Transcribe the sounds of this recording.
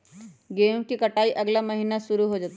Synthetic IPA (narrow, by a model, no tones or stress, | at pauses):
ɡemkiːkəʈaiːʔəɡljaməɦinasuɾuːɦod͡zat̪